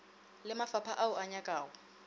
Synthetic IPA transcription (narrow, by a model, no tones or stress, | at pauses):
lɪmafapʰaʔaʊʔaɲakʼaːʊ